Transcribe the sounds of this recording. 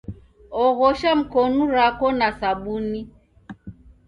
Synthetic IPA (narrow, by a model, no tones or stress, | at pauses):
ɔɣɔʃam̩kɔnuɾakɔnasaɓuni